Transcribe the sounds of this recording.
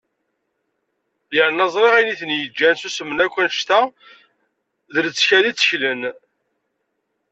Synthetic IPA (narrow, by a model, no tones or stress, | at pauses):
jəʕnɑzˤɾˤeʁæjniθənjəd͡ʒːænsusəmːənækʷːænʃt̪æ | ðələt͡sːçæðit͡sːə̥çlən